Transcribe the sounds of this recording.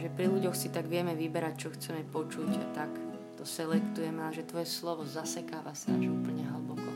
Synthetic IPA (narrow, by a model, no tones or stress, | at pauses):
ʒɛpɾiluɟɔxsit̪aɡʋɪɛmɛʋibɛɾact͡ʃɔxt͡sɛmɛpɔt͡ʃuct̪ak | t̪ɔsɛlɛkt̪ujɛmɛalɛʒɛt̪ʋɔjɛslɔʋɔzasɛkaːʋasnaʒiupl̩ɲɛɦəlbɔkɔ